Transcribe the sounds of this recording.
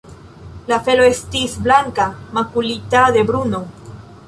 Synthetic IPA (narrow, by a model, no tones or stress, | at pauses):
lafe̞lo̞estisblaŋkamakulit̪aðe̞bɾuno̞